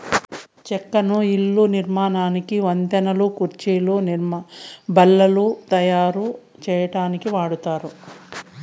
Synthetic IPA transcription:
t͡ʃɛkːɐnuilːuniɾmaːnaːnikiʋɐnd̪ɐnɐlukuɾt͡ʃiːluːnɾmbɐlːɐlut̪ɐjaːɾu | t͡ʃɛːjɐʈaːnikiʋaːɽut̪aːɾu

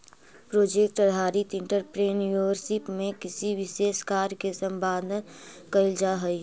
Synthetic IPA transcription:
pɾoːd͡ʒeːk̚ʈəɾɦaːɾit̪ɪ̃ɳʈəɾpɾeːnjuiʋəɾsɪpmẽkɪsiʋɪʃeːskaːɾkesə̃mbaːd̪ʱən | kəɪld͡ʒaɦəi

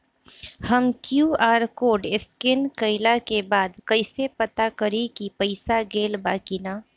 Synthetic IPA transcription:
həmkjuːaːɾkoːɖɪskɪnkəɪlakebaːd̪kəɪsepət̪akəɾikipəɪsaɡeːlbaːkinaː

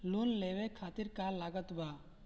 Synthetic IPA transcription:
lunlebekʰat̪iɾkalːaɡɔt̪ba

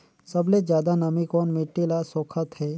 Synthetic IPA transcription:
sɐbled͡ʒjaːd̪anɐmikoːnmɪʈːilasoːkʰət̪ɦɛː

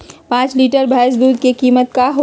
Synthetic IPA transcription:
pãːt͡ʃliːʈəɾbʱaːs̬b̪uːd̪̚kekiːmət̪̚kaɦo

